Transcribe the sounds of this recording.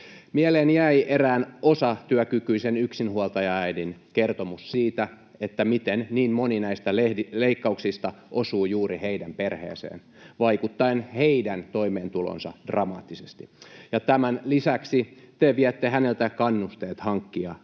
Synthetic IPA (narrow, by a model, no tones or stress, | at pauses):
mieleːnjæiʔeræːnosɑt̪yækykyisenyksinhuɑlt̪ɑjɑæidinkert̪omussiːt̪æ | et̪ːæmit̪enniːnmoninæist̪æleileikːɑuksist̪ɑʔosuːjuːɾiheidæmperhḛːsḛːn | ʋɑikut̪ːɑenheidænt̪oimeːnt̪ulo̰nsɑ̰d̥rɑmɑ̰ːt̪ːisest̪i̥jɑt̪æmænlisæksit̪eʋiɛt̪ːehænelt̪ækɑnːust̪eːt̪hɑŋkːiɑ